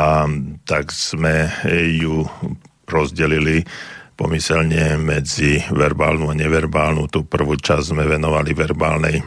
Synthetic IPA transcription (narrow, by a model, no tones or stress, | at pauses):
at̪aɡz̥mɛju | ɾɔzɟɛlilipɔ̰misɛlɲɛmɛd͡ziʋɛɾba̰ːlnuaɲɛʋɛɾbaːlnut̪uːpr̩ʋuːt͡ʃazzmɛʋɛnɔʋaliʋɛɾbaːlnɛj